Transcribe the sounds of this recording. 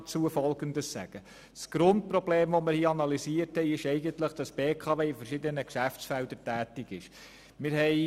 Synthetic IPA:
t͡suəfɔlɡənd̪əssæ̰ɡ̥ə | sɡ̥ɾʊnt̚pɾɔbleːmvʋomɪɾhiːɑnɑlisiəɾthɛɪɪʃɛɪɡəntləχd̥ɑsb̥eːkʰɑːveːfəɾʃɪd̪ənəkʃæft͡sfæld̪əɾtæːtɪɡɪʃ | mɪɾɦɛɪ

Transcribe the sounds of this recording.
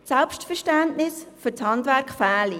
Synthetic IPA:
sɛlpʃtfəɾʃtæntnɪsfʏɾt͡shɑndʋæɾkχfæːli

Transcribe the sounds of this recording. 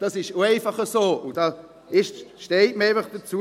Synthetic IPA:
d̥ɑsɪʃoeɪfɑχəsoːʊnd̥ɑ | ɪʃʃtɛɪtməeɪfɐχd̥ət͡su

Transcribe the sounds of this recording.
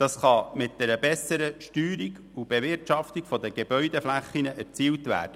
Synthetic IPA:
d̥ɑsχɑmɪt̚d̥ɛɾəbɛsəɾəʃtyːɾiɡ | ub̥evɪrtʃɑft̪iɡ̥fɔd̪əɡ̥eb̥œʏdɛflæχːinəʔæɾt͡siːltʋæ̰ːɾd̥ə

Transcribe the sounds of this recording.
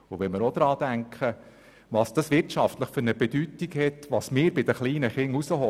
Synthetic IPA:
ʊʋɛnməɾod̪ɾɑːd̪æŋkχə | ʋɑːsd̥ɑsʋɪrtt͡ʃɑft̪ləχfʏɾnəbɛdytikhɛtʋɑsmɪːɾbɪd̪əχliːnəχɪŋusəɦɔ

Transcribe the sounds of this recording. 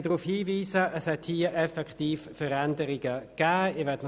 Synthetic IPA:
dʁuːfhiːviːsəʔəshɛthiːəʔɛfɛktiːffəʁɛndəʁɪɡəɡ̥æːɪɐʋɛɐtn

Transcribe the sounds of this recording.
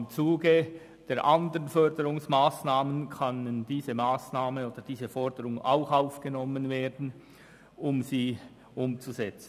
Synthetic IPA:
mt͡suːɡə | d̥eːɐɾʔandəʁənfœʁdəʁʊŋsmaːsnaːmənkʰɑnənd̥iːzəmaːsnaːmənoːd̥əd̥iːzəfɔʁdəʁʊŋa̰ʊxaʊfɡ̥ənɔmənveːdn̩ | ʊmziː | ʔʊmt͡suzɛt͡sn̩

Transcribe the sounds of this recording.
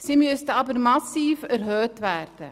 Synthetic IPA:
simyəstəɑbərmɑsiːfərɦøːtʋærd̥ə

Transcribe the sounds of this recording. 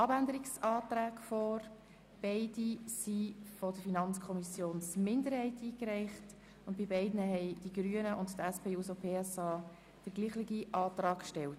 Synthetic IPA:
ɑbændəɾiksɑːtɾæːkfɔːɾ | b̥ɛɪdisifɔd̥əfinɑnt͡skʰɔmisjoːnsmɪndəɾhɛɪtiːkɾɛɪχt | ʊnt̚bibɛɪdnəɦɛɪd̥iɡɾyənəʔʊnttæspʰeːusopʰeːɛsɑː | d̥əɾɡliːχlɪɡiʔɑːtɾɑːkʃtɛlt

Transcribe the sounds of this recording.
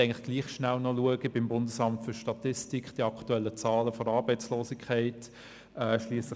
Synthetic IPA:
æɪŋlɪχɡ̥liːχʃnælnɔluəɡ̥əbɪmbʊndəsɑmtfʏʃtɑtɪstikχd̥iɑktuɛlːət͡sɑːləfɔɾɑːɾbɛɪt͡sloːsɪkʰχæɪt | ɛʃliːəslɪ

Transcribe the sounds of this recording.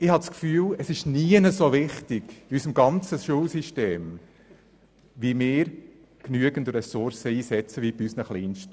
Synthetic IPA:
ɪhɑt͡skfyːləsɪʃniənəsoʋɪχtɪɡiysəmɡɑnt͡səʃulsiʃteːm | ʋimɪːɾ | knyəɡəntrɛsʊɾsəiːsɛt͡səʋiːbiyːsnəχliːnʃt

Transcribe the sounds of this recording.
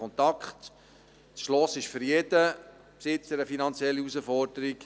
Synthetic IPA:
ɔnt̪ɑkχt | sʃlɔsɪʃføɾjedə | psɪt͡səɾəfinɑnt͡sjɛlːiusəfɔɾdəɾik

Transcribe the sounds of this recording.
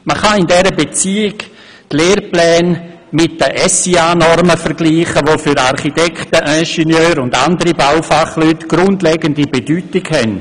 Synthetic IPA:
məχaɪndɛɾəbet͡siːɪɡ | tleːrplɛːn | mɪt̚dəʔɛsiaːnɔrməfəɾɡliːχəʋoːfyɾarχitɛktəʔɛʃɛnjøːɾʊndandəɾibawfaχlyːtɡ̥rʊndlɛːɡəndibedyːtɪɡhɛn

